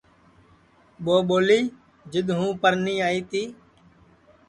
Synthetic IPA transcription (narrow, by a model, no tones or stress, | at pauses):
ɓoːɓoːliː | d͡ʒɪɗ̪ɦũːpəɾnĩːaːiːt̪iː